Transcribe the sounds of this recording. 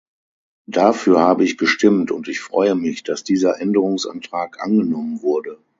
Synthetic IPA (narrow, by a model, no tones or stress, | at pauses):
d̥afyːɐhaːbəɪçɡ̥əʃtɪmtʊntɪçfʁ̥ɔʏəmɪçd̥asd̥iːzɐʔɛndəʁʊŋsʔa̰ntʁ̥aːkʔa̰nɡənɔmənvʊɐdə